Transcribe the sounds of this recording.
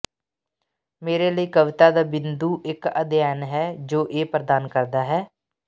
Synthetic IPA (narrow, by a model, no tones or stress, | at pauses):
meːɾeːləiːkəʋɪt̪aːd̪aːbɪnd̪uːʔɪkə̰d̪ɪjɛːnɦɛːd͡ʒoːʔeːpɾəd̪aːnkəɾd̪aːɦɛː